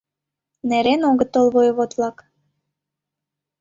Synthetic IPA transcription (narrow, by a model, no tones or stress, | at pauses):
neɾenoɣət̪ːolβojəβot̪βlɑk